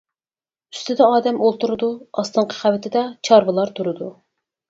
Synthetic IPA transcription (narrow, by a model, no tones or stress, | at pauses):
y̥st̪ʰɪd̪ɛɑːd̪ɛmolˠt̪ʰuɾɨd̪uɑst̪ɨɴqʰə̥χævɪt̪ʰɪd̪ɛt͡ʃʰɑɾvɨlˠɑɾt̪ʰuɾɨd̪u